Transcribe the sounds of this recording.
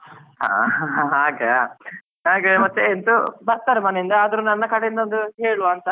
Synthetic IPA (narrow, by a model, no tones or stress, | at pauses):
ɦa̰ːɦaɦaːɡɐ | ɦaːɡɐmɐt̪ːeːnt̪ubɐɾt̪aːɾemɐːneind̪ɐaːd̪ɐɾunɐnːɐkɐɽeind̪ond̪uɦeːɭuʋaːnt̪ɐ